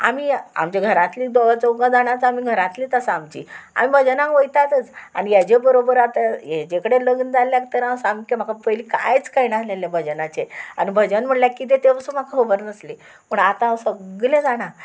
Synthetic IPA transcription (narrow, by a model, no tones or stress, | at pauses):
a̰miːa̰mt͡ɕaɡʱəɾat̪liːd̪oʋat͡səɡãd͡zaɽ̃at͡samiːɡʱəɾãt̪liːt̪əsamt͡ɕḭːa̰m̤ibʱəd͡ʑənãkʋəjt̪at̪ət͡sañijad͡ʑebəɾobəɾat̪ajed͡ʑekəɽeləɡnd͡zalːjak̚t̪əɾasamkem̤akapəjliːka̰jt͡skainaɦleljabʱəd͡ʑənat͡ɕeañibʱəd͡ʑənm̤əʈljakit̪̬et̪epəsuːm̤akʰaɦəbəɾnəsle | məɳat̪ãwsəɡɡlẽd͡zaɽ̃a